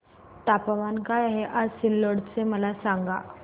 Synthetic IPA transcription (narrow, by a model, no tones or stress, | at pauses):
t̪apəʋankajaɦeʔad͡zsilːoɽt͡seməlasaŋɡa̰